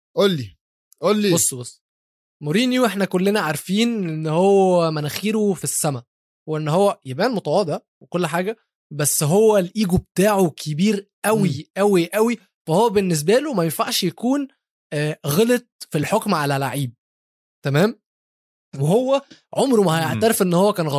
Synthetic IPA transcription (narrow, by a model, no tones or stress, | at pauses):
ʔolːi | ʔolːibosˤːbosˤː | moɾiːniwʔeħnækolːenæʕaɾˤfiːnʔenːhowːæmænæxiːɾufisːæmæ | weʔenːhowːæjæbʔæːnmot̪ɑwɑːd̪ɑ | wekolːħaːɡæ | bæsːɦowːælʔiːɡub̚t̪aːʕokʰebiːɾʔæwiʔæwiʔæwi | fæhowːæbenːes̬bælumæjenfa̰ʕʃjækuːnː | ɣɑlet̪̚filħokmʕalælaʕiːb̚ | t̪æmæːm | weɦowːæʕomɾumæhæjeʕt̪ɑɾefʔenːhowːækæːnɣɑ